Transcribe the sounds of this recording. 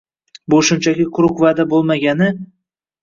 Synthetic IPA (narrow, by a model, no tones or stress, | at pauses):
bʊʃʊmt͡ʃʰakʲɪkʰʊɾʊkvaːd̪abolˠmaɡʲanɪ